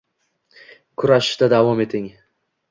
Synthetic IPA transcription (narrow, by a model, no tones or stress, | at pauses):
kʰʊɾaʃɪ̥ʃd̪ad̪avɒme̞t̪ʰɪŋ